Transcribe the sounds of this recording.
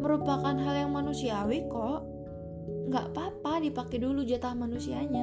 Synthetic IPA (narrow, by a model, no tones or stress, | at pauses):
məɾupakanɦaljaŋmanusiawɪkɔʔ | ŋɡa̰ʔpapadipakɛdulud͡ʒat̪ahmanusiaɲa